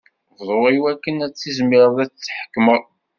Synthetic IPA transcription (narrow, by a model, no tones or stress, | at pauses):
vðˤoʁiwækːənæt͡sːizmɪɾˤðˤæt͡st͡sːħə̥kːməðˤ